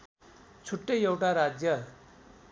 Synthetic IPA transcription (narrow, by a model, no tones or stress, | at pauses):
t͡sʰuʈːʌjewʈaɾad͡zjʌ